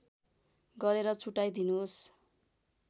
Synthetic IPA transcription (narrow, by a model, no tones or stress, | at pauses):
ɡʌɾeɾʌt͡sʰuʈajd̪inuɦos